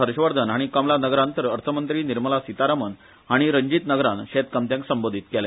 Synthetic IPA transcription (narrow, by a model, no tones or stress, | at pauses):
əɾɕʋəɾd̪ʱənɦaɽ̃ikamlanəɡɾãnt̪əɾəɾt̪ʰəmənt̪ɾiːniɾməlasit̪aɾamən | ɦaɽ̃iɾəɲd͡ʑiːt̪nəɡɾanɕet̪̚kamt̪jãŋksəmbod̪ʱit̪kɛle